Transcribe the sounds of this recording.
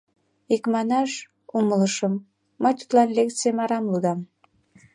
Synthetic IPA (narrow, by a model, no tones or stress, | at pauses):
ikmɑnɑʃ | umələʃəmː | əjt̪u̥t̪lɑnlʲek̪t͡semɑɾɑmlud̪ɑm